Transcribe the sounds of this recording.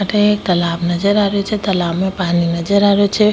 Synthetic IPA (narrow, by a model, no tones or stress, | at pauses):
əʈet̪əlabnəd͡ʒəɾaɾet͡ʃʰɛt̪əlabmẽpaninəd͡ʒəɾaɾet͡ʃʰɛ